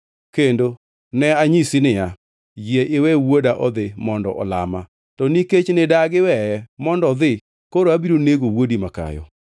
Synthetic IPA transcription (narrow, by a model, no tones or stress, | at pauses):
kendo | nɛaɲisinɪja | jiɛʔɪwɛwwodaʔɔðɪmɔndɔ̰ʔɔ̰la̰ma | tɔniket͡ʃnɪdaɡɪwɛjɛmɔndɔðɪ | koɾoabiɾoneɡowodimaka̰jɔ̰